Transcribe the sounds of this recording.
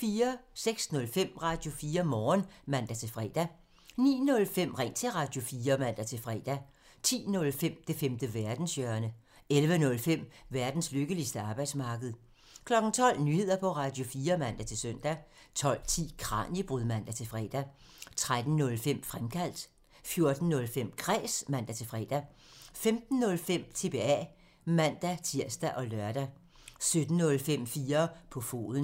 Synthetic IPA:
fiːɐseɡ̥snɔ̽lfem̰ʁɑ̈ːd̥jo̝fiːɐmɒːnmæn̰d̥æt͡sʰe̝lfʁɛ̰ːd̥æ | nḭːnɔ̽lfem̰ʁɛnt͡sʰe̝lʁɑ̈ːd̥jo̝fiːɐmæn̰d̥æt͡sʰe̝lfʁɛ̰ːd̥æ | t͡sʰḭːnɔ̽lfem̰d̥e̝femd̥əʋæɐd̥n̩sjœɐnə | elʋənɔ̽lfem̰ʋæɐd̥n̩sløɡ̥əlisd̥əɑ̈ːb̥ɑ̈ɪd̥smɑ̈ːɡ̥əð̩ˠ | kʰlɒ̽ɡ̥n̩t͡sʰɒ̽l̰nyhe̝ð̰ˠɐpʰɒ̽ʁɑ̈ːd̥jo̝fiːɐmæn̰d̥æt͡sʰe̝lsøn̰d̥æ | t͡sʰɒ̽l̰t͡sʰḭːkʰʁɑ̰̈ːnib̥ʁyðˠmæn̰d̥æt͡sʰe̝fʁɛ̰ːd̥æ | t͡sʰʁad̥n̩ːɔ̽lfem̰fʁamkʰæl̰d̥ | fjo̝ɐd̥n̩ːɔ̽lfem̰kʰʁɛ̰ːsmæn̰d̥æt͡sʰe̝lfʁɛ̰ːd̥æ | femd̥n̩ːɔ̽lfem̰t͡sʰe̝b̥e̝ɛ̰ | mæn̰d̥æt͡sʰiɐ̰sd̥æʔɒ̽lœɐd̥æ | sød̥n̩ːɔ̽lfem̰fiːɐpʰɒ̽fo̝̰ːðˠn̩

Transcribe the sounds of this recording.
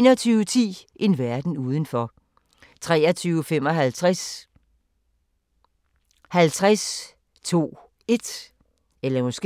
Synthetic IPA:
nɒt͡sʰyːʊət͡sʰḭːʔe̝nʋæɐd̥n̩uːð̞ˠən̩fɒ | t͡sʰʁɛ̰ːɐt͡sʰyːʊfem̰ɒ̽ɦælt͡sʰʁas | hælt͡sʰʁas | t͡sʰo̝̰ː | e̝d̥ | elɐmɒsɡ̥e

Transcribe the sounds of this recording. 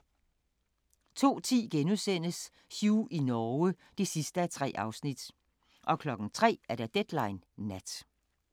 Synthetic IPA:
t͡sʰo̝̰ːt͡sʰḭːɡ̥enuðˠsen̰əs | suːʔinɒːə | d̥isisd̥əæt͡sʰʁɛ̰ːʔɑ̈ʊsnid̥ | ʔɒ̽kʰlɒ̽ɡ̥n̩t͡sʰʁɛ̰ːæɐɾæd̥ed̥lɑ̈ɪnːæd̥

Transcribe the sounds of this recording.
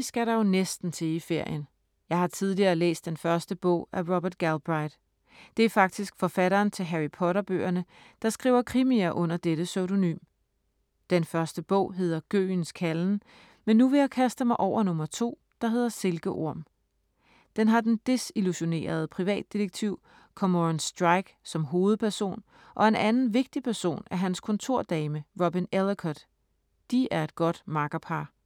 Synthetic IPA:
isɡ̥æɾɑ̈jo̝nesd̥n̩t͡sʰe̝ife̝ɐ̰jən | jɑ̈ɪhɑ̈t͡sʰið̞ˠliɐːlḛːsd̥enfɶɐsd̥əb̥ɔ̰̽ʊ̰æʁɒb̥ɐd̥̚ɡ̥ælb̥ʁɑ̈ɪd̥ | d̥e̝æɐfɑ̈ɡ̥̚d̥isɡ̥fɒ̽fæɾɐːnt͡sʰe̝lɦæʁipʰɒ̽ɾɐb̥ø̰ːɐnə | d̥ɑ̈sɡ̥ʁḭːʊɐkʰʁimiæʔɔ̽n̰ɐd̥eɾ̥əsøʊɾ̥o̝ny̰ːm | d̥enfɶɐsd̥əb̥ɔ̰̽ʊ̰ɦe̝ð̰ˠɐɡ̥ø̰ːnskʰæln̩ | menːuʋe̝jakʰæsd̥əmɑ̈ɪʔɒ̰ʊ̰ɐnɔ̽mɐt͡sʰo̝̰ː | d̥ɑ̈ɦe̝ð̞̰ˠɐse̝lɡ̥əʔo̝ɐ̰m | d̥enɦɑ̈d̥end̥e̝siluɕo̝ne̝̰ːɐð̞̩ˠpʰʁiʋɛ̰ːd̥ːiʁeɡ̥̚t͡sʰiʊ̰ | kʰɒ̽moʁnsd̥ʁɑ̈ɪɡ̥sɒ̽mɦo̝ːð̞̩ˠpʰæɐso̝̰ːn | ʔɒ̽e̝nʔænn̩ʋe̝ɡ̥̚d̥ipʰæɐso̝̰ːnæɐɦænskʰɔ̽nt͡sʰo̝ɐ̰d̥ɛːməʁɔbinelˠkʰɒd̥ | d̥iæɐe̝d̥ɡ̥ɒ̽d̥mɑ̈ɡ̥ɐpʰɑ̈ː

